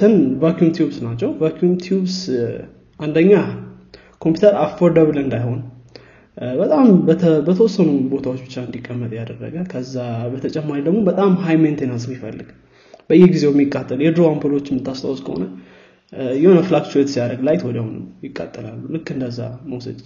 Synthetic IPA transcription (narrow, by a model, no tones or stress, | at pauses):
sɨnvakjumt̪ʰjubsnat͡ʃːɛwvakjumt̪ʰiubs | ʔand̪əɲːa | kʰo̞mpjut̪ʰəɾafoɾd̪əβlɨnd̪ajho̞n | bət̪ʼambʰbət̪ʰəwɔsːənubo̞t̪ʰawot͡ʃːbɨt͡ʃːaɨnd̪ikʼːəmːət̪ʼjad̪əɡrːə̰ɡəkʰəzːabət̪ʰət͡ʃʼɛmːaɾid̪əɡmo̞bət̪ʼamɦajment̪ʰenasmːifəlːɨɡ̥ | b̥əɨjɛɡize̞wɛmːikʼːat̪ʼːəljɛd̪ɾoampʰolo̞t͡ʃːɛmːɨt̪ːast̪ʰa̰wɔskʰə̰ho̞̰nə | jɛho̞nəflakt͡ʃuet̪sijad̪əɡlajt̪wɔd̪ahunɨ̰mjɪkʼːa̰t̪ʼːəla̰lːulɨkːɨnd̪əzːa̰məwsə̰d̪